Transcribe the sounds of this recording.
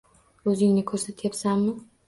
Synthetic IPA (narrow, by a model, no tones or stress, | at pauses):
ɵzɪŋnɪkʰɵɾsat̪ʰjapsanːɪ